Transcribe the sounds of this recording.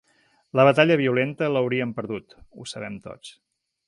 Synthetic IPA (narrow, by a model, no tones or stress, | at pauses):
ləβ̞ət̪aʎəβiulent̪ələwɾiəmpəɾðut̪usəβɛmt̪o̰t͡s